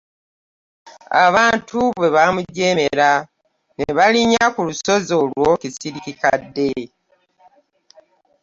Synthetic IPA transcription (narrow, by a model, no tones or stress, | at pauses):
a̰βaːntʰuβwe̞βamuɟe̞ːmeɾa | neβaliɲakuluso̞zo̞lwo̞kisiɾikikadːe̞